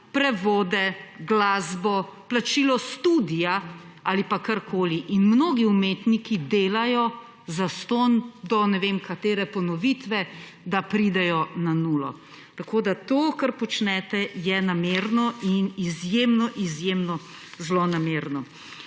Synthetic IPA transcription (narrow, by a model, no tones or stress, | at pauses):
pɾɛʋoːd̪ɛɡlaːzbɔplat͡ʃiːlɔst̪uːd̪ijaalipakaɾkʰoːliʔinmnoːɡiumeːt̪nikid̪eːlajɔ | zast̪oːnd̪ɔnɛʋeːmkat̪eːɾɛpɔnɔʋiːt̪ʋɛ | d̪apɾid̪ɛjɔnanuːlɔ̰ | t̪akoːd̪at̪oːkaɾpɔt͡ʃnɛt̪ɛjɛnameːɾnɔinizjeːmnɔʔizjeːmnɔ | zlonameːɾnɔ